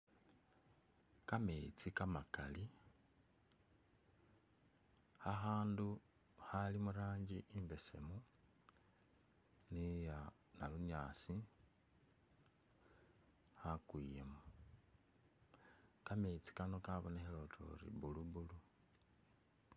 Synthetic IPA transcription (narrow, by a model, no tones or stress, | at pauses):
kamet͡sikamakali | xaxaːndu | xalimuɾaːɲɟiʔimbe̞se̞̰mu | nija | naluɲaːsi | xakwiːjemu | kamet͡si̥kano̞kaβonexelo̞tʰo̰rḭβuluβulu